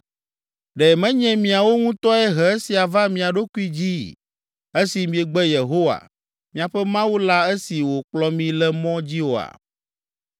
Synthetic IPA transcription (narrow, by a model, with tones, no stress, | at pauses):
ɖɛ˨mɛ̃˦ɲɛ̃˦mĩ˨a˨wo˦ŋũ˦t̪ɔ˦ɛ˦ɦɛ˨e˦si˨a˨va˦mĩ˨a˨ɖo˦ku˦i˦d͡ʑi˦ | e˦si˨mĩ˨ɛ˨ɡ͡bɛ˦je˨ɦo˦wa̰˨ | mĩ˨a˨ɸɛ˦mã˦wu˦la˦e˦si˨wo˨k͡plɔ˦mĩ˨lɛ˦mɔ̃˦d͡ʑi˦wo˨a̰˨